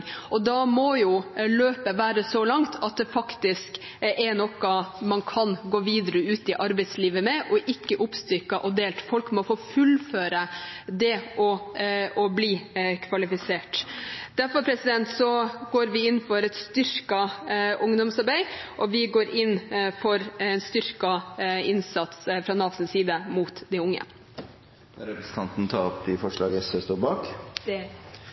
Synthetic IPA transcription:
ɔd̪ɑmɔjʊløːpəʋæːɾəsɔlɑŋt̪ʰɑt̪̚d̪ɛfɑkt̪ɪsk | ʔɛnɔkːɑmɑnkʰɑnɡoːʋiːd̪əɾəʉːt̪ɪʔɑɾbɛɪt̪sliːʋəmɛʔɔʔɪkːəʔʊpst̪ʏɾkɑʔɔd̪eːlt̪fɔlkmɔfoːfʉlføːɾəd̪ɛʔɔɔbliːkʰʋɑlɪfɪseːʈd̪̥æɾfɔɾpʰɾɛsɪd̪ɛnt̪sɔɡoːɾʋɪɪnːfɔɾɛt̪st̪ʏɾkɑʔʊŋd̪ɔmsɑɾbæɪʔɔʋɪɡoːɾɪnːfɔɾɛnst̪ʏɾkɑɪnsɑt̪sfɾɑnɑːsn̩siːd̪əmuːt̪d̪æɪʊŋːə̰ | ɾɛpɾəst̪ʰɑnt̪n̩t̪ʰɑːɔpːɪfɔʂɭɑ̰ːɡɛsɛst̪oːɾbɑːk̪

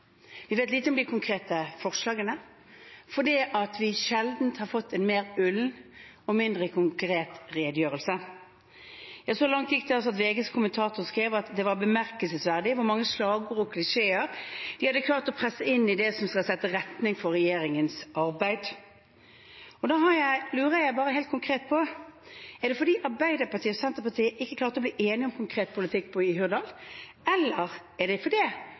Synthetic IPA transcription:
ʋɪʋeːt̪liːt̪əɔmd̪ɪkʰʊŋkʰʁeːt̪əfɔʁʂlɑːɡənə | fɔd̪iːʔɑt̪ʰʋɪʃɛld̪n̩t̪hɑɾfɔt̪ːɛnmeːʁʉln | ɔmɪnd̪ʁəkʰʊŋkɾeːt̪ʁeːd̪jøːʁəlsə | jɑsoːlɑŋt̪jɪk̚ːd̪ɛs̬ɑt̪ʋeːɡəskʰʊmənt̪ʰɑːt̪ʊʁskɾeːʋɑt̪d̪ɛʋɑbəmæʁkəlsəsʋæʁd̪ɪʋʊɾmɑŋːəslɑːɡʊʁɔkʰlɪʂeːəɾd̪̥ɪhɑd̪əkʰlɑːɾt̪ɔpʰɾɛsːəɪnːɪd̪ɛsɔmskɑsɛt̪ːəɾɛt̪nɪŋfɔɾɛjeːɾɪŋənsɑɾbæɪd̪ | ɔd̪ɑːɦɑɾjæɪlʉːʁəjæɪbɑːɾəɦeɪt̪kʰʊŋkʰʁeːt̪̚pʰɔ | ɛɖ̪ɛfɔd̪iːʔɑɾbæɪd̪əɾpɑʁt̪ʰiːɔsɛnt̪əɾpɑt̪ʰiːəʔɪkːəkʰlɑːɾt̪əɾɔbliːʔeːnɪɔmkʰʊŋkʰɾeːt̪̚pʰʊlɪt̪ʰɪkːpʰɔɪɦʉd̪ɑl | ɛlːəɾ | ɛʁd̪ɛfɔd̪ɛ

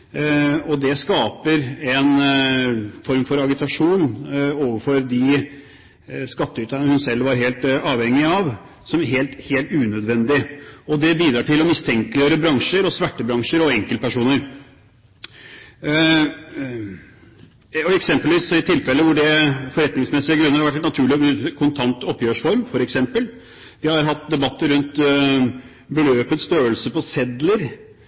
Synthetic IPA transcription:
ɔd̪ɛskɑːpəɾɛn | fɔɾmfɔɾɑɡɪt̪ɑʂuːnoːʋəfɔɾd̪ɪ | skɑt̪ːəyːt̪ənəhʉnsɛlʋɑɾɦeːlt̪ɑːʋhɛŋːɪɑʋ | sɔmæɾɦeːlt̪heːlt̪ʉːnød̪ʋɛnd̪ɪɔd̪ɛbiːd̪ɾɑːʈɪlɔmɪst̪ʰɛŋkəlɪəɾəbɾɑŋʂəɾɔsʋæʈːəbɾɑŋʂəɾɔɛŋkəlpæʂuːnəɾ | ɔɛksɛmpəlʋiːsɪt̪ʰɪlfɛlːəʋʊɖɛfɔɾɛt̪nɪŋsmɛsɪəɡɾʉnːəɾhɑɾʋæʈ̬ːnɑt̪ʰʉːɭɪkʰʊnt̪ʰɑnt̪ɔpːjøːʂfɔɾmfɔɾɛksɛmpəl | ʋ̪ɪhɑɾɦɑt̪̚ːd̪ɛbɑt̪ːəɾʉnt̪ | bəløːpət̪st̪øːəlsəpɔsɛd̪ləɾ

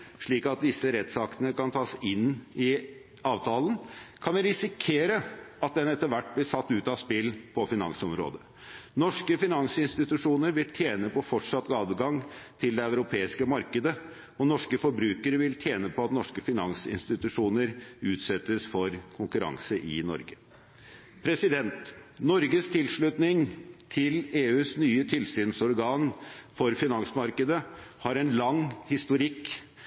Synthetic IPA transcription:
ʂɭiːkɑt̪̚d̪ɪsːəɾɛt̪sɑk̪ənəkɑnt̪ʰɑːsɪnːɪ | ɑːʋt̪ʰɑːlənkʰɑnʋɪɾɪsɪkʰeːɾəɑt̪̚d̪ɛnɛt̪ːəɾʋæʈːblɪʂɑt̪ːʉːt̪ɑspɪlːpʰɔfɪnɑ̰ŋsɔmɾo̰ːd̪ə | nɔʂkəfɪnɑŋsɪnst̪ɪt̪ʉʂuːnəɾʋɪlt̪ʰjeːnəpʰɔfɔʈʂɑt̪ːɡɑːd̪əɡɑŋt̪ʰɪld̪ɛœʉɾʊpʰeːɪskəmɑɾkəd̪ə | ɔnɔʂkəfɔɾbɾʉːkəɾəʋɪlt̪ʰjeːnəpʰɔɑt̪nɔʂkəfɪnɑnsɪ̰nst̪ɪt̪ʉʂuːnəɾʉːt̪sɛt̪ːəsfɔɾkʰʊŋkʉɾɑ̰ŋsəʔɪ̰nɔ̰ɾɡə | pʰɾɛsɪd̪ɛnt̪nɔɾɡəst̪ʰɪlʂɭʉt̪nɪŋt̪ʰɪleːʉːsnyːət̪ʰɪlsyːnsɔɾɡɑːnfɔɾfɪnɑŋsmɑɾkəd̪əhɑɾɛnlɑŋhɪst̪ʊɾɪkː

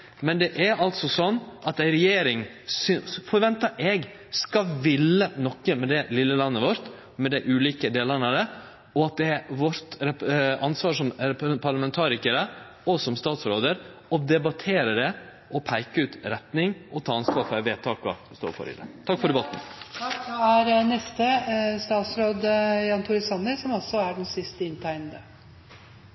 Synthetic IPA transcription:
mɛnd̪ɛʔæɾɑlt̪sɔsɔnːʔɑt̪æɪɾɛjeːɾɪŋ | sʏfɔɾʋɛnt̪ɑʔɛɡ | skɑʋɪlːənɔkːəmɛd̪ɛlɪlːəlɑnːəʋɔɾt̪ | mɛd̪æɪʔʉːliːkəd̪eːlənəɾə | ɔɑt̪̚d̪ɛæʋɔɾt̪ɾɛɑnsʋɑːʂɔmpʰɑɾɭəmɛnt̪ʰɑːɾɪkəɾə | ɔsɔmst̪ɑːt̪sɾoːd̪əɾɔd̪ɛbɑt̪ʰeːɾəɖɛ | ʔɔpʰæɪkəʉːt̪ɾɛt̪nɪŋʔɔt̪ʰɑːɑnsʋɑːɾfɔɾæʋeːt̪ʰɑːkɑ̰st̪o̰ːɾfɔ̰ɾɪ̰d̪ɛ̰t̪ʰɑkːfɔɖ̪ɛbɑt̪n̩kɑæɾnɛst̪əst̪ɑːt̪sɾoːd̪jɑːnt̪ʰʊɾɪsɑnːəɾsɔmɔlsɔæɖɛnsɪst̪əɪnːt̪ʰæɪnəd̪ə

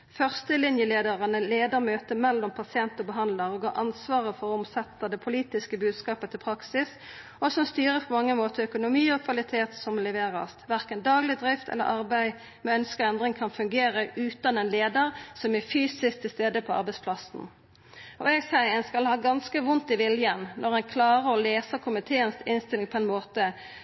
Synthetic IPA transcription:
fœʁst̪əlɪnjəleːd̪əʁənəleːd̪əʁmøːt̪əmɛlːɔmpʰɑsɪɛnt̪ɔbəɦɑnd̪ləʁɔɡɑ̰ːʔɑnsʋɑːʁəfɔʁɔɔmsɛt̪ːəd̪ɛpʰʊliːt̪ɪskəbʉːd̪skɑːpət̪ʰɪlpʰʁɑksɪs | ɔsɔmst̪yːʁəpʰɔmɑŋːəmoːt̪ʰəœkʊnʊmiːɔkʰʋɑlɪt̪ʰeːt̪sɔmlɛʋeːʁɑ̰st̪ʋæʁkənd̪ɑːɡlɪd̪ʁɪft̪ʰɛ̰lːə̰ʁʔɑʁbæɪ | mɛœnskəʁɛnd̪ʁɪŋkʰɑnfʉŋɡeːʁəʔʉːt̪ɑnɛnleːd̪əʁsɔmæfyːsɪskt̪ʰɪlst̪eːd̪əpʰɔɑ̰ʁbæɪtspʰlɑsn̩ | ɔ̰ɛɡsæɪɛnskɑlhɑːɡɑnskəʋʊnt̪ɪʋɪljənnʔɔʁɛnkʰlɑːʁəɔleːsəkʰʊmɪt̪ʰeːənsɪnst̪ɪlɪŋpʰɔɛnmoːt̪ə

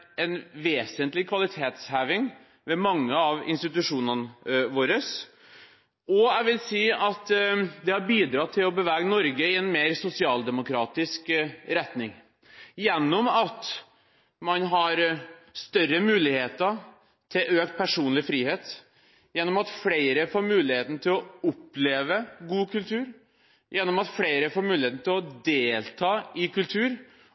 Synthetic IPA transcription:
ɛnʋeːsənt̪lɪkʰʋɑlɪt̪ʰeːt̪shæːʋɪŋ | ʋɛmɑŋːəɑʋɪ̰nst̪ɪt̪ʉʂuːnənəʋoːɾəs | ɔæɪʋɪlsiːɑt̪d̪ɛhɑɾbiːd̪ɾɑt̪ʰɪlɔbəʋæːɡənɔɾɡəɪɛnmeːɾsʊsɪɑːld̪ɛmʊkʰɾɑːt̪ɪskɾɛt̪nɪŋ | jɛnːɔmɑt̪ | mɑnɦɑɾst̪œrəmʉːlɪheːt̪ə | t̪ʰɪʔøːkt̪̚pʰæʂuːnlɪfɾiːheːt̪ | jɛnːɔmɑt̪fleɪɾəfoːɾmʉːlɪheːt̪n̩t̪ʰɪlɔʊpleːʋəɡuːkʰʉlt̪ʰʉːɾ | jʔɛnːɔmɑt̪fɽeɪɾəfoːɾmʉːlɪeːt̪n̩t̪ʰɪlɔd̪eːlt̪ʰɑːɪkʉlt̪ʰʉːɾ

